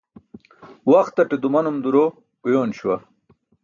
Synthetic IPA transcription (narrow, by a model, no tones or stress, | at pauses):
wɐxt̪ːɐʈed̪umɐnumd̪uɾo | kujoːnɕwɐ